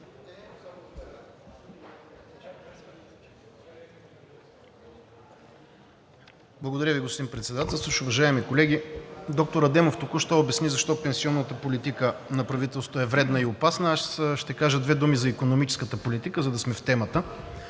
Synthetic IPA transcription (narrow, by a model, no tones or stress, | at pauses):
blˠɐɡod̪ɐɾʲəviɡospd̪impɾɛt̪sɛd̪at̪ɛlˠsəʃʊvɐʒaɛmikolɛɡ̟id̪ɔk̚t̪oɾɐd̪ɛmoft̪ʊkuʃt̪ɛʊbɛsnizɐʃt̪ɔpɛnsiɔnːət̪əpolit̪ikənɐpɾɐvit̪ɛlˠso̥t̪ʊɛvɾɛd̪nəiopasnəaʃʃt̪ɛkaʒəd̪vɛd̪umizɐikonomit͡ʃɛ̥skət̪əpolit̪ikəzɐd̪ɐsmɛft̪ɛmət̪ə